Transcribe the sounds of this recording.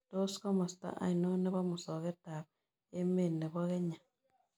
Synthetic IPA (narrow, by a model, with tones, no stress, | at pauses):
to˦skɔ˦mɔ˨sta̰˦ʔa̰˨ino˦ne˦βa˦mu˨sɔ˨ɣe˦ta˨β̚ | e˦me˨ne˨βɔɣe˦ɲa˨